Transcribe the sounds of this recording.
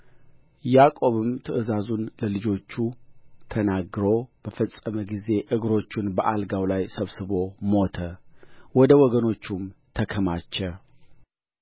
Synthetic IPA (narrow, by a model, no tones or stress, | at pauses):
jakʼo̞βɨmt̪ʰɨʔɨzazunləlɨd͡ʒo̞t͡ʃːut̪ʰənaɡɾo̞b̥əfəsʼːəməɡize̞ʔɨɡɾo̞t͡ʃːɪnbəʔalɡawlajsəβsɨβo̞mo̞t̪ʰəwɔd̪əwɔɡəno̞t͡ʃːumt̪ʰəkʰəmat͡ʃːɛ